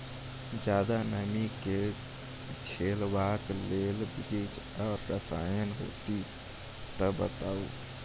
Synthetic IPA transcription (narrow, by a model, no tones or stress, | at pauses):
d͡ʒjaːd̪anəmike | t͡ʃʰeːlwaːkleːlbiɡit͡ʃ | ɔːɾɾəsa̰ːjənɦo̰ːt̪i | t̪əbət̪aːu